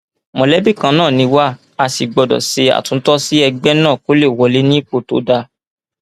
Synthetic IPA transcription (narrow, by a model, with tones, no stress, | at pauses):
mɔ̃˨lɛ˨˦bi˦˨kã˧nãː˦˨nĩ˧wa˦ | a˦˨si˨ɡ͡bɔ˨dɔ̰˨se˧˦a̰˨tũ˧˦tɔ˦si˦ɛ˧ɡ͡bɛ˦nãː˦˨ko˦le˦˨wɔ˧le˨˦nĩ˦k͡po˦˨to̰˨˦da˧